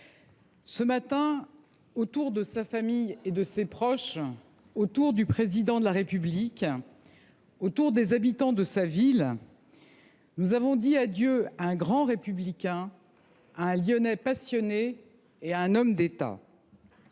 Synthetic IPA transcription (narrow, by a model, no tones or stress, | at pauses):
səmat̪ɛ̃ | ot̪uʁd̪əsafamijed̪əsepχɔʃ | ot̪uʁd̪ypχezid̪ɑ̃d̪əlaʁepyblikʲ | ot̪uʁd̪ezabit̪ɑ̃d̪əsavil | nuzavɔ̃d̪iad̪jøaɛ̃ɡʁɑ̃ʁepyblikʲɛ̃ | aɛ̃ljɔnɛpasjɔneː | aɛ̃nɔmd̪et̪a̰